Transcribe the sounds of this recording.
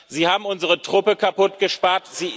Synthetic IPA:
ziːhaːbm̩ʊnzəʁətʁ̥ʊpəkʰapʊtɡ̥əʃpaːɐtz̥iː

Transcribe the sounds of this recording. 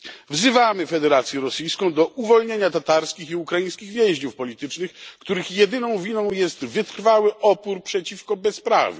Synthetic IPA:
vzɘvamɘfɛd̪ɛɾat̪sʲjɛɾɔsijskɔ̃w̃d̪ɔʔuvɔlɲeɲat̪at̪aɾskʲixiukɾajij̃skʲiɣvʲjeʑɲufpɔlʲit̪ɘt͡ʂnɘxkt̪uɾɘxjɛd̪ɘnɔ̃w̃vʲinɔ̃w̃jɛst̪vɘt̪ɾfawɘʔɔpuɾpʂɛt͡ɕifkɔbɛspɾa̰vɘ̰

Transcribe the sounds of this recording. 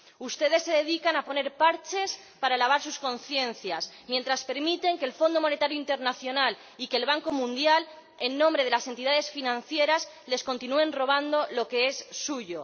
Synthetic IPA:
ust̪e̞ðe̞sːe̞ðe̞ðikanapo̞ne̞ɾpaɾt͡ʃe̞s | paɾalaβ̞aɾsusko̞nθje̞nθjasmje̞nt̪ɾaspe̞ɾmit̪e̞ŋke̞ːlfo̞nd̪omo̞ne̞t̪aɾjoint̪e̞ɾnaθjo̞nal | ike̞ːlβaŋko̞mũnd̪jal | enːõmbɾe̞ð̞e̞lase̞nt̪iðað̞e̞sfinãn̟θjeɾasz | le̞sko̞nt̪inue̞nro̞β̞and̪o̞lo̞ke̞e̞sːuʝo̞

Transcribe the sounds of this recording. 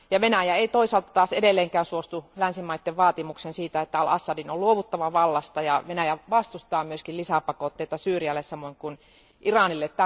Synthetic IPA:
jɑʋenæjæeˑit̪oisɑːlt̪ɑ̥t̪ɑːsedelːeːŋkæːnsuost̪ulænsimɑit̪ːeʋʋɑːt̪imuksensiːt̪æet̪ːæɑlɑsːɑdinolluoʋut̪ːɑʋɑʋɑlːɑst̪ɑjɑʋenæjæʋɑst̪ust̪ɑːmyøskillisæpɑkot̪ːeit̪ɑsyːriælːessɑmːˑoiŋkun | ʔirɑnilːet̪t̪ːæ

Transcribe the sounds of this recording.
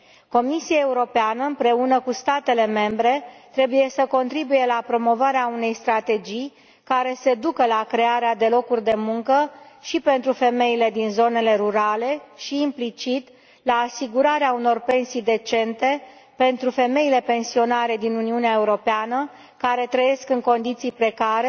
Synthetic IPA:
ko̞misiae̞uɾo̞peanəɨmpɾe̞unəkust̪at̪e̞le̞me̞mbɾe̞t̪ɾe̞buje̞səko̞nt̪ɾibuje̞lapɾo̞mo̞vaɾeaune̞jst̪ɾat̪e̞d͡ʒij | kaɾe̞se̞d̪ukəlakɾe̞aɾead̪e̞lo̞kurʲd̪e̞muŋkəʃipe̞nt̪ɾufe̞me̞ile̞d̪inzo̞ne̞le̞ɾuɾale̞ʃiːmplit͡ʃit̪ | laːsiɡuɾaɾeauno̞rpe̞nsijd̪e̞t͡ʃe̞nt̪e̞pe̞nt̪ɾufe̞me̞ile̞pe̞nsio̞naɾe̞d̪inuniuneae̞uɾo̞peanə | kaɾe̞t̪ɾəje̞skɨŋko̞nd̪it̪sijpɾe̞kaɾe

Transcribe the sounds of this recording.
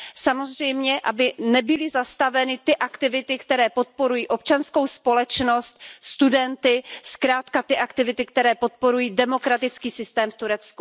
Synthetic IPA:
samo̞zr̝ɛjmɲɛʔa̰bɪnɛbɪlɪzast̪avɛnɪt̪ɪʔakt̪ɪvɪt̪ɪkt̪ɛɾɛːpo̞t̪̚po̞ɾujiːʔo̞pt͡ʃansko̞wspo̞lɛt͡ʃno̞st̪̚st̪udɛnt̪ɪskɾaːt̪kat̪ɪʔakt̪ɪvɪt̪ɪk̚t̪ɛɾɛːpo̞t̪̚po̞ɾujiːdɛmo̞kɾat̪ɪt͡skiːsɪst̪ɛːmft̪uɾɛt͡sku̥

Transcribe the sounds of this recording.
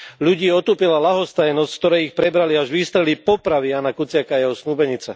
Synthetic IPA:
ʎuɟiːɔt̪uːpilalaɦɔst̪ajɛnɔskt̪ɔɾɛjixpɾɛbɾaliaʒʋiːst̪ɾɛlipɔpɾaʋijaːnakut͡sɪakaːjɛɦɔsnuːbɛɲit͡sɛ

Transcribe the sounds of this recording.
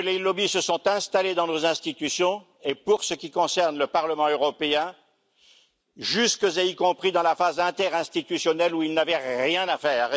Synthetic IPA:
lelɔbisəsɔ̃t̪ɛ̃st̪aled̪ɑ̃nozɛ̃st̪it̪ysjɔ̃ | epuʁsəkʲikɔ̃sɛʁnləpaʁləmɑ̃øʁɔpeɛ̃ | ʒyskəzeikɔ̃pχid̪ɑ̃lafazɛ̃t̪ɛʁɛ̃st̪it̪ysjɔnɛluilnavɛʁjɛ̃nafɛːʁ

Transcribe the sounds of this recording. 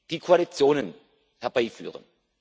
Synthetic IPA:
d̥iːkʰoalit͡sjoːnən | hɛɐbaɪfyːʁə̰n

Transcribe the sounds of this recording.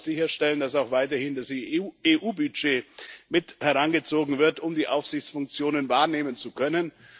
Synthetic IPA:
z̥ɪçɐʃtɛləndasaʊxv̥aɪtɐhɪndaseːʔuːbyd͡ʒeːmɪthɛʁanɡət͡soːɡŋ̩vɪɐtʊmdiːʔaʊfsz̥ɪçt͡sfʊŋk̚t͡sjoːnənvaːɐneːmənt͡sukʰœnən

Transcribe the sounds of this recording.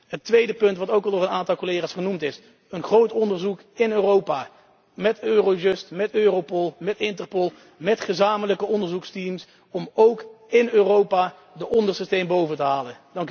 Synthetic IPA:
ɦətʋejdəpɵntʋɑtowkɑlˠdʊːrənaːntɑlˠkolejχaːsχənumtɪs | ənχrowtɔndəɹzuk | ɪnøːrowpaː | mɛtøːrojɵstmɛtøːrowpɔlˠmɛtɪntərpɔlˠ | mɛtχəzaːmələkəɔndəɹzukstims | ɔmowk | ɪnøːrowpaː | dəʔɔndərsistejmbowvəntəɦaːləndɑŋk

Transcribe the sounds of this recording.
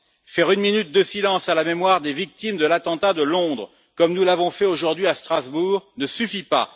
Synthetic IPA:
fɛʁynminyt̪̚d̪əsilɑ̃salamemwaʁd̪evik̚t̪imd̪əlat̪ɑ̃t̪ad̪əlɔ̃d̪ʁə | kɔmnulavɔ̃fɛoʒuʁd̪ɥiast̪χazbuʁnəsyfipa̰

